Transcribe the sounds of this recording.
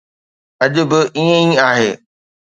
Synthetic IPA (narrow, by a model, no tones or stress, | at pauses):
ɐʄʊ̆bɪʔiːə̃ĩaːɦeː